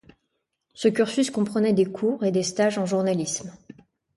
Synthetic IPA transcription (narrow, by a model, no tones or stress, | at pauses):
səkʲyʁsyskɔ̃pχənɛd̪ekʰuːʁed̪est̪aʒɑ̃ʒuʁnalism